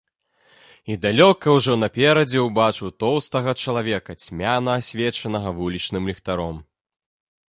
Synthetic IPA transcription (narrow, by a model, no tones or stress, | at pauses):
id̪alʲɔkɐwʐɔnɐpʲɛɾɐd͡zʲɛwbat͡ʂuwt̪ɔwst̪ɐɣɐt͡ʂɐlˠavʲɛkɐt͡sʲmʲanɐːsʲvʲɛt͡ʂɐnɐɣɐvulʲit͡ʂnɨmlʲɛxt̪aɾɔm